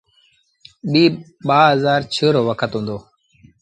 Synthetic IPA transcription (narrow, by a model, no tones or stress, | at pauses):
ɓiː | ɓaːɦəzaːɾt͡ʃʰəɾoːʋəkʰət̪ɦũːnd̪oː